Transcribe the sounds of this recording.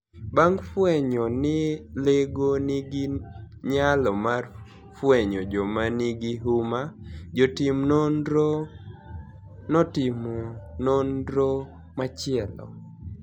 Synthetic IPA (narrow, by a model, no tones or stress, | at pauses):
baŋfwɛɲɔnɪleɡonɪɡɪɲalɔmar | fwɛɲɔd͡ʒɔmanɪɡɪɦumad͡ʒotɪmnɔndɾo | nɔtɪmɔnɔndɾo | mat͡ʃɪɛlɔ̰